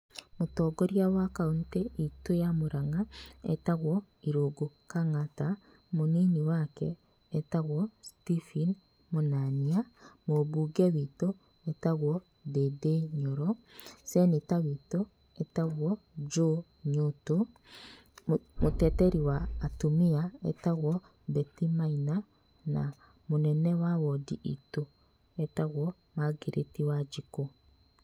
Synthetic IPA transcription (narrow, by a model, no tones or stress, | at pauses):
motɔːɡoɾjawakauntɛʔitojamoɾaŋaḛtaɣwɔ | iɾoɡokaŋata | moniniwakɛː | taɣwɔstifin | monaniamoβuɡɛwito | etaɣwɔ | dedeɲɔɾɔsɛnitawito | ɛtaɣwɔ | d͡ʒo | ɲoto | motɛtɛɾiwaːtumiaɛ̰taɣwɔ | bɛtimaina | na̰ | monɛnɛwawɔdiito | ɛtaɣwɔ | maɡeɾʔetiwad͡ʒiko